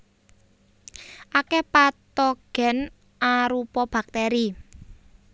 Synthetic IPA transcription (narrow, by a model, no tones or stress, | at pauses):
ʔakepat̪ɔɡ̥ɛ̤n | ʔaɾupɔb̥a̤k̚t̪ɛɾi